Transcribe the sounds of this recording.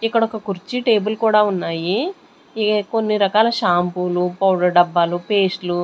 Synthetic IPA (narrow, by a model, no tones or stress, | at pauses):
ikːɐɽɔkɐkuɾt͡ʃiʈe̞ːbulkuːɽaːunːaːji | ko̞nːiɾɐkaːlɐʃaːmpulupɐwɖɐɖɐbːaːlupe̞ːsʈlu